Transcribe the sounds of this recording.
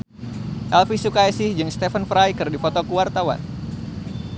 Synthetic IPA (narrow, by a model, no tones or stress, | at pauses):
ʔɛlfisukajsɪhd͡ʒɨŋst̪efənfɾajkɨrdifɔt̪okuwart̪awa̰n